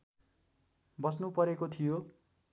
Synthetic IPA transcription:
bʌsnupʌɾekot̪ʰijo

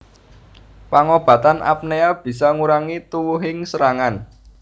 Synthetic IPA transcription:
paŋob̥ä̤t̪anʔa̰p̚neab̥i̤sɔŋuɾaŋit̪uwuɦɪŋsəɾaŋan

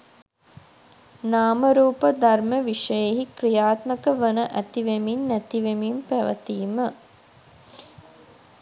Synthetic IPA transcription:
naːməɾuːpəd̪arməʋiʂəjeɦikrijaːt̪məkəʋənəʔæt̪iʋeminːæt̪iʋemimpæʋə̰t̪iːmə

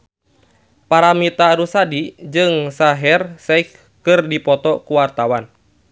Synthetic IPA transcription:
paɾamit̪aɾusadid͡ʒɨŋsaɦɛrsɛik | kɨrdipɔt̪ɔkuwart̪awan

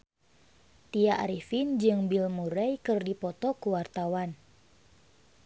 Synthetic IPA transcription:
t̪iaʔa̰ɾifind͡ʒɨŋbilmuɾɛjkɨrdipɔt̪ɔkuwart̪awan

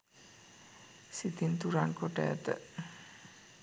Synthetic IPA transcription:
sit̪int̪uɾaŋkoʈɛ̰ːt̪ə̰

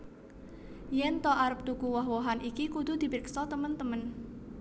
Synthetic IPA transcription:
jɛnt̪ɔʔaɾəp̚t̪ukuwɔɦwɔɦanʔikikud̪̥ṳd̪̥i̤bɾksɔt̪əmənt̪əmən

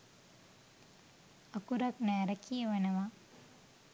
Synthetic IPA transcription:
akuɾɐknɛːɾɐkijəʋenɐʋa

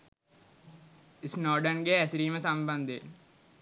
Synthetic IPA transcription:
ɪsnɔːɾɖənɡeɐsɾiːmesɐ̃mbɐ̃nd̪ʱḛ

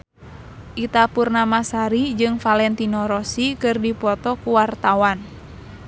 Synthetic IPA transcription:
ʔit̪apurnamasaɾid͡ʒɨŋfalɛnt̪inɔɾɔsikɨrdipɔt̪ɔkuwart̪awan

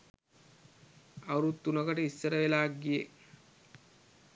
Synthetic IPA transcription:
awɾut̪ːunəkəʈəisːəɾəʋelaːk̚ɡije

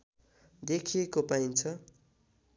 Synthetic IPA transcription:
d̪ekʰiekopaint͡sʰʌ

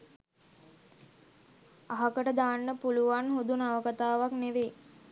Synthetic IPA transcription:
aɦakəʈəd̪aːnːəpuluʋanɦud̪unaʋəkat̪aːʋakneʋe

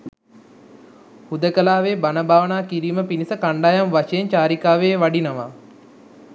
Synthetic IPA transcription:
hud̪əkəlaːʋeːbanəbaːʋənaːkiɾiːməpinisəkaɳɖajamʋaʃejeɲt͡ʃaːɾikaːʋeːʋaɖinɐʋa

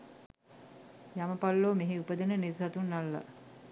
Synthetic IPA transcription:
jaməpalːoːmeɦeupəd̪ənənisɦat̪unːalːa̰

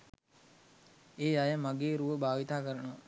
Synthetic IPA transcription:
eːajəmaɡeːɾuʋəbaːʋit̪aːkəɾənoʋa

